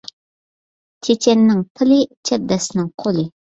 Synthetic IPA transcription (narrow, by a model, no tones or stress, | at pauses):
t͡ʃʰet͡ʃenːɪŋpʰəlit͡ʃʰab̚d̪asnɪŋqʰolɪ